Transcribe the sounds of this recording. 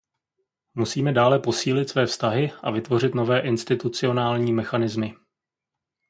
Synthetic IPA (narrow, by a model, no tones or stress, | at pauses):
musiːmɛdaːlɛpo̞siːlɪt̪svɛːfst̪aɦɪʔavɪt̪vo̞r̝ɪt̪no̞vɛːʔɪnst̪ɪt̪ut͡sɪo̞naːlɲiːmɛxanɪzmɪ